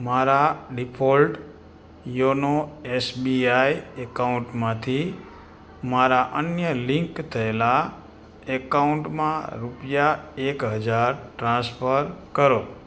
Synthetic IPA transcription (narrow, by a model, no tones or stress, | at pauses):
maɾaɖipʰolʈ | jonoesbiajɛkauɳʈmãt̪ʰi | maɾaʔənjəlɪŋkt̪ʰəela | ɛkauɳʈmãɾupjaekɦəd͡ʒaɾʈɾãspʰəɾkəɾo